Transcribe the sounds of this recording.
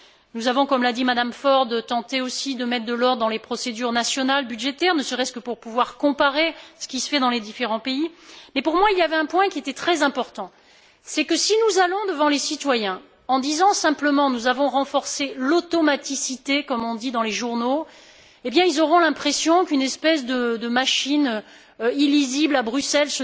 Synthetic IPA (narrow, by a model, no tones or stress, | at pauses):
nuzavɔ̃kɔmlad̪imad̪amfɔʁd̪t̪ɑ̃t̪eosid̪əmɛt̪χd̪əlɔʁd̪ːɑ̃lepχɔsed̪yʁnasjɔnalbyd̪ʒet̪ɛʁnəsəʁɛst̪kəpuʁpuvwaʁkɔ̃paʁesə̥kʲisə̥fɛd̪ɑ̃led̪ifeʁɑ̃peimɛpuʁmwailjavɛɛ̃pwɛ̃kʲiet̪ɛt̪χɛzɛ̃pɔʁt̪ɑ̃ | sɛkəsinuzalɔ̃d̪əvɑ̃lesit̪wajɛ̃ | ɑ̃d̪izɑ̃sɛ̃pləmɑ̃nuzavɔ̃ʁɑ̃fɔʁselot̪ɔmat̪isit̪ekɔmɔ̃d̪id̪ɑ̃leʒuʁno | ebjɛ̃ilzɔʁɔ̃lɛ̃pχesjɔ̃kynɛspɛs̬d̪əd̪əmaʃinø | iliziblabʁysɛlsə